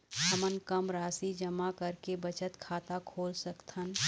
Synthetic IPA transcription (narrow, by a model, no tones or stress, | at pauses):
ɦəmənkəmɾaːsid͡ʒɐmakɐɾkebət͡ʃət̪kʰaːt̪akʰoːlsəkt̪ʰən